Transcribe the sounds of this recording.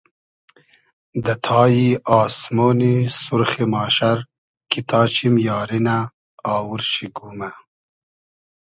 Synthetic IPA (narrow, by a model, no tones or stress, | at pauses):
d̪ɐt̪ʰɑːjiɑːsmoːnisuɾxemɑːʃaɾ | kit̪ʰɑːt͡ʃimjɑːɾinaː | wuɾʃiɡuːma